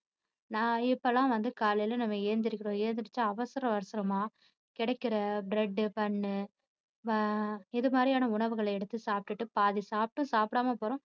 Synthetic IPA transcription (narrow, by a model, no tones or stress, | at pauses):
nãːɪpːɐlãːʋɐnd̪ɯkaːlɐjlɐnɐmːɐeːɾnd̪ɪɾɯkːɪɾõːeːɾnd̪ɪɾɯt͡ʃːaɐʋɐsɐɾɐ̃ʋɐɾɐsɐɾɐmaː | kɪɽɐkːɪɾɐbɾɛɖːɯpɐɳːɯ | ɐɪðɯmaːɾɪjaːnɐʊɳɐʋɯɣɐɭɐɛɽɯt̪ːɯsaːp̚ʈɯʈːɯpaːðisaːp̚ʈːʊ̃saːpɽaːmɐpoːɾõː